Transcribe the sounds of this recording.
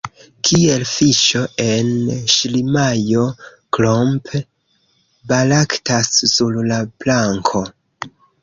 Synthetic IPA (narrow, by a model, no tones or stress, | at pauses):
kʰielfiʃo̞e̞nʃlimajo̞ | klomp | balaktasːullaplaŋkʰo̞